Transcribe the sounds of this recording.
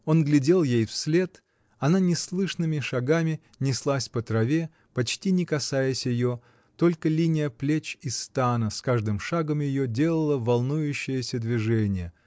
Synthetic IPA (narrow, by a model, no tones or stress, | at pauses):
o̞nɡlʲɪdʲe̞lˠjejfsʲlʲe̞t̪ | ɐnanʲɪslˠɨʂnɨmʲɪʂɐɡamʲɪ | nʲɪslˠasʲpət̪ɾɐvʲe | pɐt͡ɕtʲinʲɪkɐsajəsʲjɪjo | t̪o̞lʲkəlʲinʲɪjəplʲet͡ɕɪst̪anəskaʐd̪ɨmʂaɡəmjɪjo̞dʲe̞lˠəlˠəvɐlˠnujʉɕːɪjəsʲəd̪vʲɪʐɛnʲɪjə